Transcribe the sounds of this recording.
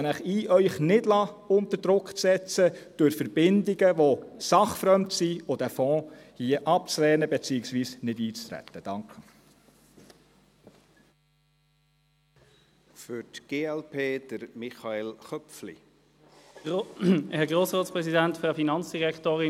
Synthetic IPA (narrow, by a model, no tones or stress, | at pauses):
nəχiːʔœʏχnɪdlɑʊnt̪əɾd̥ɾʊkt͡sɛt͡səd̥ʊɾfəɾb̥ɪndɪɡəʋosɑχfɾœmtsiod̪æfɔ̃ːhiːəʔɑp̚t͡slɛːnəbɛt͡siːɪksʋiːsnɪdiːt͡st̪ɾɛ̰t̪ːəd̥ɑŋkχə | fʏɾtɡ̥eːɛlpʰeːd̥əɾmɪχɑelχœflḭ | hɛʁɡʁoːsʁoːtt͡spʁɛsidæntfʁaʊfinɑnt͡sd̥iʁɛktoːʁɪ